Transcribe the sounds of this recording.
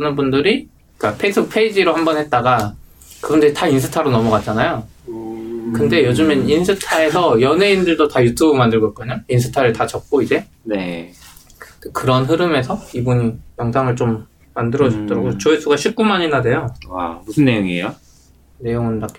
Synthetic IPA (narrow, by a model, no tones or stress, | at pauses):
ɯnɯnbundɯɾi | k͈apʰeis͈ʰɯbɯk̚pʰe̞id͡ʑiɾohambʌnhe̞t̚t͈aɡa | kɯbundɯɾitainsʰɯ̥tʰaɾonʌmʌɡat̚t͡ɕ͈anajo | kɯnde̞jod͡ʑɯmʌninsʰɯtʰae̞sʰʌjʌne̞indɯɭdotajutʰubɯmandɯɭɡʌt̚k͈ʌɲainsʰɯ̥tʰaɾɯɭtat͡ɕʌp̚k͈oid͡ʑe̞ | ne | kekɯɾʌnɸɯɾɯme̞sʰʌibuɲijʌŋsʰaŋɯɭt͡ɕom | mandɯɾʌd͡ʑʌp̚t͈ʌɾaɡot͡ɕʌes͈ʰuɡaɕʰip̚k͈umaɲinade̞joa̰musʰɯnːejoŋija | ne̞joŋɯnːak͈